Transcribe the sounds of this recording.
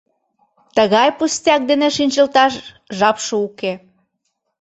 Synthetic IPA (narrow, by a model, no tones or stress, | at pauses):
t̪əɣɑjpust̪ʲɑk̚d̪eneʃinʲt͡ɕəlt̪ɑʃ | ʒɑpʃəuke